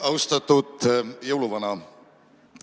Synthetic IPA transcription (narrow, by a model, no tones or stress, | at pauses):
ɑwst̪ɑt̪ːˑud̪̥jɤwluvɑnɑ